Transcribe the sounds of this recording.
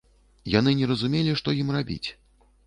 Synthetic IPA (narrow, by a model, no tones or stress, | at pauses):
janɨnʲɛɾɐzumʲelʲiʂt̪ɔjimrabʲḭt͡sʲ